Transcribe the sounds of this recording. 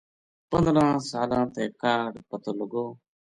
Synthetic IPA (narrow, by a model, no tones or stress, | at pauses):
pənd̪ɾãːsaːlãːt̪eːkaːɖpət̪oːləɡoː